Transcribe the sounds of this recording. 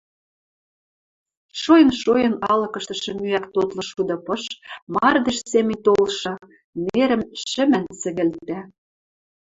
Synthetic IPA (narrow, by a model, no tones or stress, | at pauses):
ʃojə̆nʃojɤ̆nɑlɤ̆kɤ̆ʃt̪ɤ̆ʃɤ̆myækt̪ot̪lɤ̆ʃud̪ɤ̆pɤ̆ʃmɑrd̪eʃsemɘ̆jt̪olʃɤ̆ | neɾə̆mʃɘ̆mɘ̆nsɘ̆ɣɘ̆lt̪æ